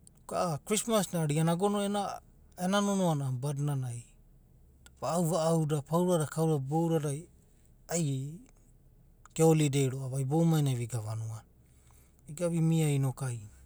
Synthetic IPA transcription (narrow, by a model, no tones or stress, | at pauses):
kaakɾismasnaɾianaɡonoena | enanonoanabadnanaj | vaːwvaːwdapawɾaɾakawɾabowɾaɾaj | aj | keolidejɾoaβajbo̞wmajnaviɡavanuan | iɡaβimiajnokaj